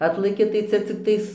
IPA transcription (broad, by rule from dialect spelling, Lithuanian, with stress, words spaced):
ˈɑːtlˠɐkʲɪ tɐɪ ˈt͡sʲɛ t͡sʲɪkˈtɐɪs